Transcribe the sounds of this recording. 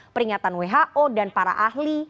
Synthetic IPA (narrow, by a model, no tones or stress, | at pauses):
pəɾiŋat̪anweɦaʔodanpaɾa̰ʔahli